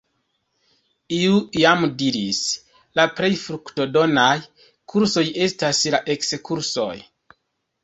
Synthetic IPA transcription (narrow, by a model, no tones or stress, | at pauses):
iuiamdiɾis | lapɾe̞jfɾukto̞do̞naj | kʰuɾso̞je̞staslaʔe̞kskuɾso̞̰j